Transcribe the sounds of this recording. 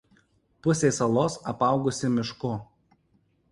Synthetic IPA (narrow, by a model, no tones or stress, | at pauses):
pʊsʲesɐlˠoːsɐpɑˑʊɡʊsʲɪmʲɪʃkʊ